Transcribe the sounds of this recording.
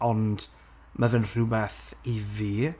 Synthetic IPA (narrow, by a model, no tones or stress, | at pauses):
ɔnd̥ | mavɛnr̥ubɛθiviː